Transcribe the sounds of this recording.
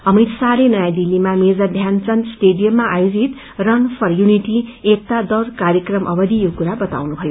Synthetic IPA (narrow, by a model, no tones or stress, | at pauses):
ʌmit̪salenʌjãd̪ilːimamed͡zʌrd̪ʱjant͡sʌnsʈeɖijʌmːaʔajod͡zit̪ | rʌnpʰʌrjuniʈiek̚t̪ad̪ʌrkarjʌkrʌmʔʌbʌd̪ijokuɾabʌt̪a̰wnubʱʌjo